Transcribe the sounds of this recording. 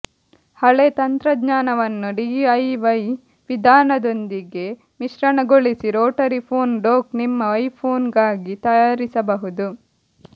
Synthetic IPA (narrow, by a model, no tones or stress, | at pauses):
hɐɭet̪ɐnt̪ɾɐd̪ɲaːnɐʋɐnːuɖiːɐjʋɐj | ʋid̪ʱaːnɐd̪o̞nd̪iɡe̞ | miʃɾɐɳɐɡoɭisiɾoːʈɐɾipʰoːnɖoːknimːɐɐjpʰoːnɡaːɡit̪ɐjaːɾisɐbɐɦud̪u